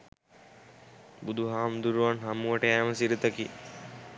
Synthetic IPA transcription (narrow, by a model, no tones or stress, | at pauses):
bud̪uɦaːmd̪uɾuʋanɦamuʋəʈəɛːməsiɾit̪əki